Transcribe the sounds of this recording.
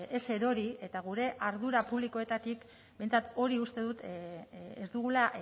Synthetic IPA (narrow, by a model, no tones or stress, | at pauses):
ese̞ɾo̞ɾie̞t̪aɣ̞uɾe̞ʔaɾðuɾapuβliko̞e̞t̪at̪ik | be̞jnt͡sat̪o̞ɾiust̪e̞ðut̪ | ezd̪uɣ̞ula